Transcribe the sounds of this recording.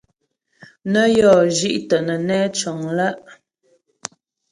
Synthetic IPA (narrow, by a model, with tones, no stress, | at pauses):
nə˦jɔ˦˨ʒi˦ʔtə˨nə˨nɛː˦t͡ʃə˨ŋla˦ʔ